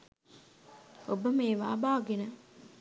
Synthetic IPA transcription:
obəmeːʋa̰ːbaːɡenə

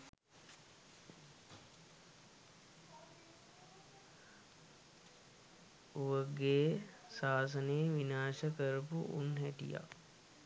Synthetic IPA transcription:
uʋəɡeː | saːs̬əneːʋinaːʃəkəɾupuʔṵnɦæʈḭja̰

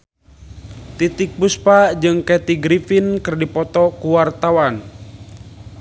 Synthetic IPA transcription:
t̪it̪ik̚buspad͡ʒɨŋkɛt̪iɡɾifinkɨrdipɔt̪ɔkuwart̪awan

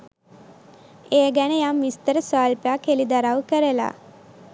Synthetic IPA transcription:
eːɡænəjamːist̪əɾəsaːlpeakelid̪aɾawkəɾəla̰

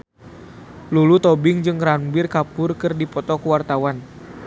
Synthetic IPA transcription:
lulut̪ɔbɪŋd͡ʒɨŋɾanbɪrkapʊrkɨrdipɔt̪ɔkəwart̪awan

